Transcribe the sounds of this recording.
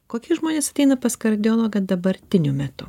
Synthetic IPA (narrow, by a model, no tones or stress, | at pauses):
koːkʲiʒmoːnʲeːsɐt̪ʲɛɪnɐpɐskɐɾʲd̪ʲɪoːlˠoːɡɐd̪ɐbɐɾʲt̪ʲɪnʲʊmʲɛt̪ʊ